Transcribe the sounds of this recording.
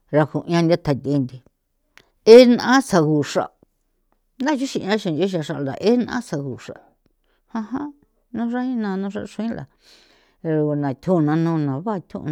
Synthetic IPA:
ɾa˧ku˨˧ã˧nd̪ʲa˦t̪ʰa˨t̪e˧nd̪i˨ | e˦nã˧ã˦sa˧ɣu˨ʂa̰˨ | nã˦˧ʃu˦ʃi˧˨˧ã˦ʃĩ˧o˦ʃ̬a˧ʂa˧ʔld̪a̰˨ʔe˦ñ˦˧ã̰˦sa˧ɣu˨ʂa̰˨ | hã˧hã˦ | nũ˦ʐa˦ĩ˦nã˧nũ˦ʂa̰˦˧ʂũ˧˦ĩ˦la̰˨˧ | nã˨t̪ʰũ˦˧nã˧nũ˧nã˨βa˦˧t̪ʰṵ̃˦˧

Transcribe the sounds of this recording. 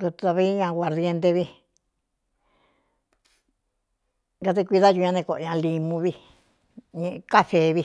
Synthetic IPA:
ɾu˧t̪a˧βi˦ɲã˧ɣwa˨ɾðe˧nt̪e˧βi˧ | ɡa˧t̪̬e˧kʷi˧ða˦ju˧ɲã˧nẽ˧ko˧ʔɲã˧li˧mũ˧βi˧ | ɲẽ˧ʔka˦θe˧βi˧

